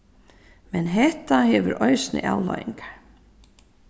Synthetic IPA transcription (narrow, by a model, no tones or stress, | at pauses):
mɛnɦɛht̪ahɛʋʏɾɔjsnɪ̰ʔawlɔ̰jiŋkḁɹ